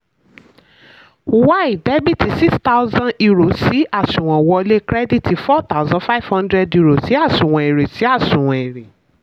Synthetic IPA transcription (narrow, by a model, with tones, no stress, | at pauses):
u˨wa˦i˨de˦bi˦˨ti˧si˦ksta˦ʊ˦zã˦i˦ɾo˨si˨˦a˦˨sũ˨w̃ã˨wɔ˧le˦kɾɛ˦di˦ti˧fɔ˦t̪a˦u˦zɔ̃˦fa˦i˦˨v̥hɔ̃˦ndɾɛ˦dju˦ɾo˨si˨˦a˦˨ʃũ˨w̃ã˨e˨ɾe˨si˨˦a˦˨ʃũ˨w̃ɔ̃˨e˨ɾe˨